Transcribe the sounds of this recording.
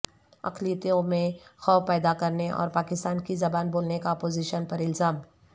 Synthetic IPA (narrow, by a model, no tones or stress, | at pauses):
ɐ̰kʰliːət̪iõmẽxɔːpɛːd̪akɐɾneʔɔ̰ːɾpaːkɪst̪aːnkizɐbaːnboːlnekaɔpoːziːʃənpɐɾɪlzaːm